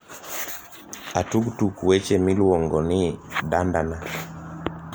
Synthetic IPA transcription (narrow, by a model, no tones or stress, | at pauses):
atuktukuɛt͡ʃɛmilwɔŋɡɔniɗandana